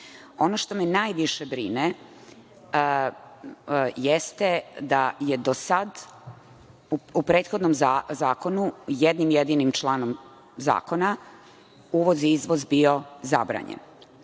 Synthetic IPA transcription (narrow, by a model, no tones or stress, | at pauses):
o̞noʃt̪o̞menaːjʋiʃebɾḭne | jest̪ed̪ajed̪osad̪ | upɾe̞ːt̪xo̞d̪nomazaːko̞nujed̪nimjed̪inimt͡ʃlˠaːno̞m | za̰ːko̞na | uːʋo̞ziizʋo̞zbio̞za̰bɾa̰ɲḛn